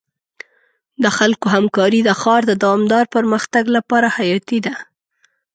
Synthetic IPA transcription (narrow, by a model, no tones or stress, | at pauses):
d̪əxalkoɦamkɑɾid̪əxɑɾd̪əd̪awɑmd̪ɑɾpəɾməxt̪aɡlapɑɾahajɑt̪id̪a